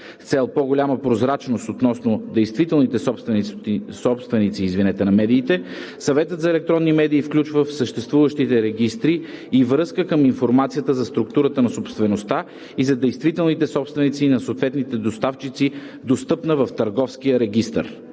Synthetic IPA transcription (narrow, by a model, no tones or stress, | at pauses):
ft̪sɛlˠpɔɡolʲaməpɾozɾat͡ʃnost̪ot̪nɔsnod̪ɛjst̪vit̪ɛlˠnit̪ɛsɔpst̪vsɔpst̪vɛnit̪siːzvinɛt̪ɛnɐmɛd̪iːt̪ɛsɐvɛt̪ət̪zɐɛlɛk̚t̪ɾɔnːimɛd̪iːfklʲut͡ʃvəfsəʃt̪ɛst̪vuvəʃt̪it̪ɛɾɛɡʲist̪ɾiːvɾɤskəkəminfoɾmat̪sijət̪əzɐst̪ɾukt̪uɾət̪ənɐsopst̪vɛnost̪a | izɐd̪ɛjst̪vit̪ɛlˠnit̪ɛsɔpst̪vɛnit̪sinɐsoːt̪vɛt̪nit̪ɛd̪ost̪aft͡ʃit̪si | d̪ost̪ɤpnəvəft̪ɐɾɡɔfsk̟ijəɾɛɡ̟ʲist̪ə̰ɾ